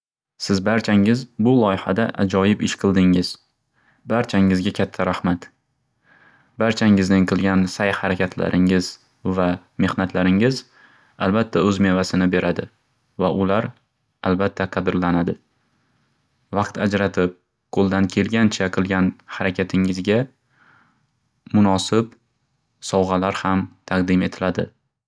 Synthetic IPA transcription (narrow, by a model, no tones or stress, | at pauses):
sɪzbaɾt͡ʃʰaŋɪzbʊlˠɒjɪhad̪aʔad͡ʒɒjɪpɪʃqʰɨlˠd̪ɪŋɪz | baɾt͡ʃʰaŋɪzɡʲakʲʰat̪ʰːaɾahmat̪ | baɾt͡ʃʰaŋɪznɪŋqʰɨlˠɡʲansajhaɾakʲʰat̪ʰla̰ɾʔɪŋɪz | va | me̞hnat̪laɾɪŋɪz | albat̪ʰːaɵzme̞vasɪnɪbe̞ɾʔad̪ɪ | vaʔʊlaɾ | albat̪ʰːaqʰɑd̪ɪɾlanad̪ɪ | vɑqt̪ʰad͡ʒɾat̪ʰɪp̚ | qʰolˠd̪ankʲʰe̞lɡʲant͡ʃʰaqʰɨlˠɡʲanhaɾakʲʰat̪ʰɪŋɪzɡʲa | mʊnɒsɪp | sɒwʁɑlaɾhamt̪ʰɑq̚d̪ɪme̞t̪ʰɪlad̪ɪ